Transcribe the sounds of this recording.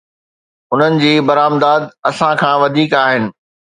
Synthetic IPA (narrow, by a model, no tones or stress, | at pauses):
ʊn̤ənɪ̆d͡ʑiːbɐɾaːmd̪aːd̪̚ɐsãkʰãːʋɐd̪ʱiːkaːɦɪnɪ̆